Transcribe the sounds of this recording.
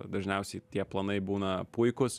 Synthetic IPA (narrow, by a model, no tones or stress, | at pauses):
d̪ɐʒʲnʲɛʊsʲɛɪt̪ʲiɛplˠɐnɐɪbuːnɐpʊɪkʊs